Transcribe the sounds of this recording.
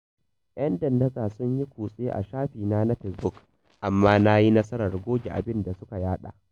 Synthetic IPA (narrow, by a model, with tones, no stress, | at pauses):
ʔj̰ɐ˦ndɐ˨ndɐ˦zaː˨sʊ˦ɲji˦kʷuː˨sʼe˦ʔa̰˨ʃaː˦ɸiː˨naː˦na˦ɸɛ˨sbʊ˦k | ʔa˨mːaː˦na˦ji˦nɐ˦sɐ˦ɾɐ˨rɡʷoː˦ɡʲi˨ʔa̰˨bɪ˦nda˨sʊ˦ka˨jaː˦ɗa̰ː˨ʔ